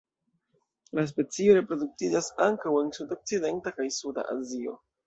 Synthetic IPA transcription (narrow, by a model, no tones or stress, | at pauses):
las̬pe̞t͡sio̞ɾe̞pɾo̞duk̚tid͡ʒasaŋkawe̞nsudo̞k̚t͡side̞ntakajsuda̰ʔa̰zio̞